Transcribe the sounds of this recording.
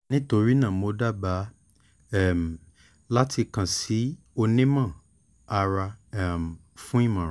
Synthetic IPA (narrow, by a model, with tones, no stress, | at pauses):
nĩ˦to˧ɾi˦nã˦˨mo˧˦da˦˨ba˨˦ | ɛ˦˨m˨ | la˦ti˧kã˨si˨˦ | o˧nĩ˦mã˦˨ | a˧ɾa˧˨m˨ | fũ˦i˦˨mã˨ɾ